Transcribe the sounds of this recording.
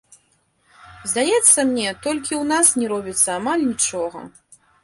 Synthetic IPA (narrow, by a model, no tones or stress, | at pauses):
zd̪ajɛt̪sːɐmnʲɛt̪ɔlʲkʲiwnasnʲɛɾɔbʲit̪sːɐamalʲnʲit͡ʂɔɣɐ̰